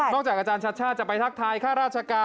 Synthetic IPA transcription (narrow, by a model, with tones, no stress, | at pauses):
nɔː˥˩k̚t͡ɕaː˨˩k̚ʔaː˧t͡ɕaː˧nt͡ɕʰa˦˥t̪̚t͡ɕʰaː˥˩t͡ɕa˨˩pa˧jt̪ʰa˦˥˩k̚t̪ʰaː˧jkʰaː˥˩ɾaː˥˩t̪̚t͡ɕʰa˧kaː˧